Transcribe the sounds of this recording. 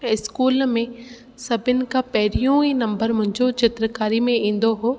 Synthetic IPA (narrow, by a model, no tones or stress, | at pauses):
ɪskuːlmẽ | sɐbʱɪnɪ̆kapɛɦɪɾijũinɐ̃mbəɾmʊ̃ɦɪ̃ɲd͡ʑot͡ɕɪt̪ɾəkaːɾimẽĩːn̆d̪oɦoː